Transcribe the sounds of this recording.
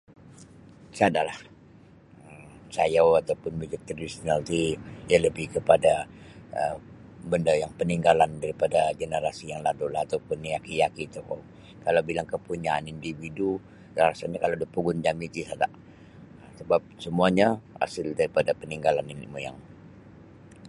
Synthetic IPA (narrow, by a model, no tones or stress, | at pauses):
sadaʔlah | əmt͡ʃajawat̪awpʊnmud͡ʒik̚t̪ɾadisonalt̪ijaləbɪhkəpadaə | bəndajaŋpəniŋɡalandaɾipadaɡənəɾasijaŋladulahat̪awpʊnjakijakit̪uko | kalawbilaŋkəpuɲaanindividu | aɾasaɲakalawdapuɡʊnd͡ʒamit̪isadaʔ | əsəbap̚səmuaɲaa̰səldaɾipadapəniŋɡalaninḭmuja̰ŋ